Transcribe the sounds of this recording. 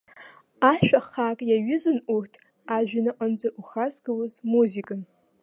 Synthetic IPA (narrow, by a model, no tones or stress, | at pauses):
aʃʷᶣaχakʼjaɥʊzɨnʔurtʰ | aʒᶣɪnɨqʼənd͡zaʔuχazɡawʊzmuzikʼan